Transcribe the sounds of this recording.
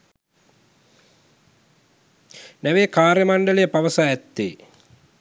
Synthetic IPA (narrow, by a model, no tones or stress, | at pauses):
næʋeːkaːrjɐmaɳɖəlejəpaʋəsaːɛt̪ːḛː